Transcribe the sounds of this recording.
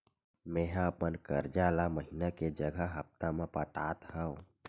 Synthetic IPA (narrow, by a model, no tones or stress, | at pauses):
meɦãəpənkəɾd͡ʒalaməɦinaked͡ʒəɡʱəɦəp̚t̪amẽpəʈat̪həõ